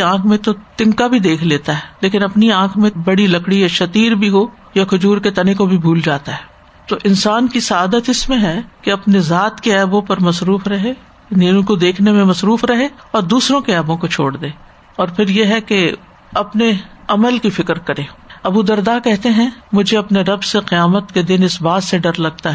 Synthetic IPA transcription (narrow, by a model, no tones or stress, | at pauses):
ãːkʰmẽt̪ot̪ɪ̃ŋkabʱid̪eːkʰleːt̪aɦɛːleːkɪnɐpniãːkʰmẽbɐɽilɐkɽijaʃɐt̪iːɾbʱiɦo | jakʰʊd͡ʒuːɾket̪ɐnekobʱibʱuːld͡ʒaːt̪aɦɛː | t̪oːʔɪnsaːnkisɐaːd̪ət̪ɪsmẽɦɛkeɐpnezaːt̪keɛːbõpɐɾmɐsɾuːfɾɐɦe | niũkod̪eːkʰnemẽmɐsɾuːfɾɐɦeɔːɾd̪uːsɾõkeɛːbõkot͡ʃʰoːɽd̪eː | ɔːɾpʰɪɾjeɦɛke | ɐpneɐməlkifɪkɾkɐɾẽːɐbud̪ɐɾd̪aːkɛɦt̪eɦɛ̃mʊd͡ʒʱeɐpneɾɐbseqɪjaːmət̪ked̪ɪnɪsbaːt̪seɖɐɾlɐɡ̚t̪aɦɛː